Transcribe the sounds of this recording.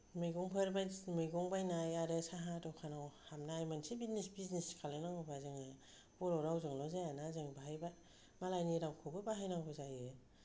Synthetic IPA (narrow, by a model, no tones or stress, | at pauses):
mɯjɡɔŋpʰɯɾbajmɯjɡɔŋbajnajaɾesaɦatɔkʰanawhamnaːjmansibinisbizniskʰalɯnaɯbazɯŋa | b̥ɔɾɔɾawzɯŋlɔzajanazɯŋbaɦajba | malajniɾawkʰɔbɯbaɦajnabɔzajɯ